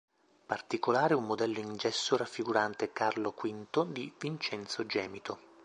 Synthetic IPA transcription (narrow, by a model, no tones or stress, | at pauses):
part̪ikolaːɾeumːod̪ɛlːoind͡ʒɛsːoɾafːiɡuɾant̪ekarlokwint̪od̪ivint͡ʃɛnt̪sod͡ʒɛːmit̪o